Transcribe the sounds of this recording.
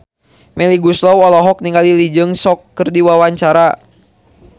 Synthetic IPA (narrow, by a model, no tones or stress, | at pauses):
mɛliɡuslɔwɔlɔɦɔk̚niŋɡalilid͡ʒɨŋsɔkːɨrdiwawaɲt͡ʃaɾa